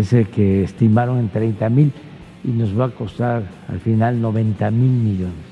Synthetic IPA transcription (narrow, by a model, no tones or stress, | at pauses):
esekeːst̪imaɾo̞ŋe̞nt̪ɾejnt̪amil | ino̞zβaːko̞st̪aɾ | a̰lfinalno̞βe̞nt̪amilmiʝo̞nes